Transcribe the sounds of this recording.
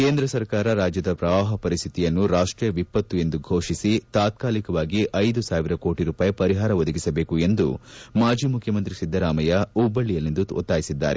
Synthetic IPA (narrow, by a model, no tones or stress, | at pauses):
keːnd̪ɾɐsɐɾkaːɾɐɾaːd͡ʒjɐd̪ɐpɾɐʋaːɦɐpɐɾist̪ʰit̪ijɐnːuɾaːʂʈɾijɐʋipːɐt̪ːue̞nd̪uɡʱo̞ːʂisit̪aːt̪̚kaːlikɐʋaːɡiʔɐjd̪usaːʋiɾɐko̞ːʈiɾuːpaːjipɐɾiɦaːɾɐʋɔd̪ɐɡisɐbe̞ːkue̞nd̪umaːd͡ʒiːmukʰjɐmɐnt̪ɾisid̪ʱːɐɾaːmɐjɐubːɐɭːijɐlːind̪uɔ̰t̪ːaːjisid̪ːa̰ːɾe